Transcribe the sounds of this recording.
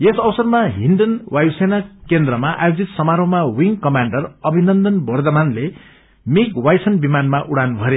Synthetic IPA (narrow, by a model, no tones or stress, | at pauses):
esʌwsʌrmaɦiɳɖʌnwajwsenakend̪rʌmaʔa̰jod͡zit̪sʌmaɾʌmawiŋkʌmaɳɖʌrʌbʱinʌnd̪ʌnbʌrd̪ʌmanle | mikwajsʌnbimanmaʔuɽanbʱʌɾe